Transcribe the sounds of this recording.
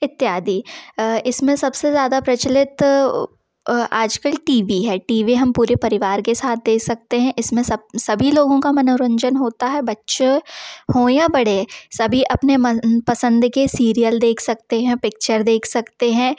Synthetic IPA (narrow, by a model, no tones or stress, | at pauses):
ɪt̪ːjaːd̪ʱiːɪsmẽsɐbsezjaːd̪apɾɐt͡ʃəlɪt̪ | aːd͡ʒkəlʈiːʋiɦɛːʈiːʋiɦɐ̃mpuːɾepɐɾɪʋaːɾkesaːt̪̚ʰd̪eːkʰsɐk̚t̪eɦɛ̃ʔɪsmẽsɐsɐbʱiloːɡõkamɐnoːɾə̃ɲd͡ʒənɦoːt̪aɦɛbɐtːʃehõːjabɐɽ̤esɐbʱiʔɐpnempɐsə̃nd̪kesiːɾijəld̪eːkʰsɐkt̪eɦɛ̃pɪk̚t͡ʃəɾd̪eːkʰsɐkt̪eɦɛ̃ː